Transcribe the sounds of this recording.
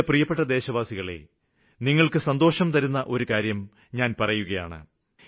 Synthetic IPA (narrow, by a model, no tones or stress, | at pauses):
prijɐpːeʈːɐd̪e̞ːɕɐʋaːsiɣɐɭe̞̰ | niŋːɐɭkɨsɐnd̪o̞ːʂɐmt̪ɐɾunːɐʔo̞ɾukaːɾjɐm | ɲaːnpɐrɐjuɣɐja̰ːɳɨ̰